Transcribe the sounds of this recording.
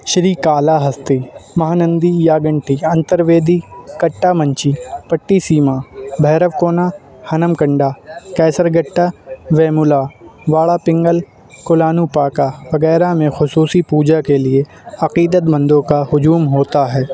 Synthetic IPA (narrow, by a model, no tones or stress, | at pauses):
ʃɾiːkaːlaɦɐst̪imɐɦaːnə̃nd̪ijaːɡə̃ɳʈiɐ̃nt̪əɾʋeːd̪ikɐʈːamɐ̃ɲt͡ʃipɐʈːisiːmaːbʱɛːɾəʋkoːna | hɐnəmkə̃ɳɖaːkɛːsəɾɡəʈːaʋɛːmʊlaːʋaːɭapɪ̃ŋɡəl | kolaːnuːpaːkaʋɐɡɛːɾamẽxʊsuːsipuːd͡ʒakelie | ɐqiːd̪ət̪bɐ̃nd̪õkahʊd͡ʒuːmɦoːt̪aɦɛː